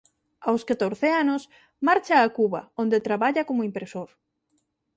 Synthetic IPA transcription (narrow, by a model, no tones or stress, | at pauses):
awskat̪oɾθeanos | maɾt͡ʃaːkuβaond̪et̪ɾaβaʎakomoimpɾesoɾ